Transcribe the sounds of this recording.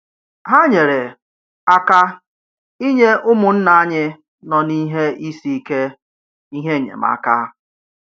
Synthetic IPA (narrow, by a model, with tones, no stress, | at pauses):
ɦa˦ɲe˨ɾe˨ | a˦ka˦ | i˦ɲe˦ʔʊ˦mʊ˨n̩˦na˨a˦ɲɪ˦ | nɔ˨ni˦ɦe˦i˦si˦i˦ke˦ | i˦ɦe˦˨ɲḛ˨m̩a̰˦ka˦